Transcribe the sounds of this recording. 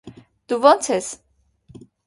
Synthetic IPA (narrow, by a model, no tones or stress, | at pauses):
d̪̥uvɔnt͡sʰɛs